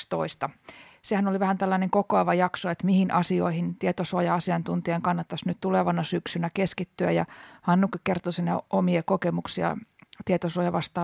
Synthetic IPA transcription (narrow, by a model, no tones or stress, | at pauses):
st̪o̰ist̪ɑsehænoliʋæhænt̪ælːæneŋkokoɑʋɑjɑksoet̪mihinʔɑsio̰ihint̪iet̪osoɑjɑɑsiɑnt̪unt̪iɑŋkɑnːɑt̪ːɑsnyt̪t̪uleʋɑnɑsyksynækeskit̪ːyæ̰jɑ̰hɑnːukːikkert̪osinæʔomiekokemuksiɑ̰t̪iet̪osoɑjɑʋɑst̪ɑː